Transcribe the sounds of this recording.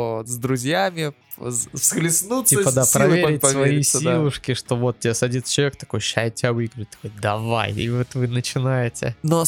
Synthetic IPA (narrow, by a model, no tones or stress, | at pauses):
zd̪ɾʊzʲjamʲɪ | fsklʲɪsnut̪ʲipəd̪apɾɐvʲeɾʲɪt̚ʲːiisʲlˠʊʂkʲɪʂt̪o̞vo̞t̪̚tːʲɪesɐdʲit̪st͡ɕɪlˠɐvʲek̚t̪ɐ̥kojɕajtʲɪavɨɡɾʲt̪ɐ̥kojd̪ɐva̰j̰vot̪vɨnət͡ɕɪnajɪtʲɪ̰no